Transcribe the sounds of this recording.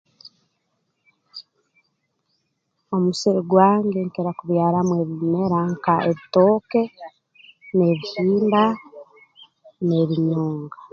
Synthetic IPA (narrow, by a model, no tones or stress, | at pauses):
o̞musiɾiɡwaːŋɡeŋkeɾakuβjaːɾamweβime̞ɾaŋkaʔeβitoːke̞ | ne̞βihiːmba | ne̞βiɲoːŋɡa